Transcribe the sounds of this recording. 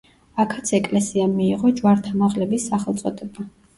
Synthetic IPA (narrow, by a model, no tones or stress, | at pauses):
akʰat̪sʰɛkʼlɛsiamiːʁɔd͡ʒwaɾt̪ʰamaʁlɛbisːaχɛlˠt̪sʼɔd̪ɛba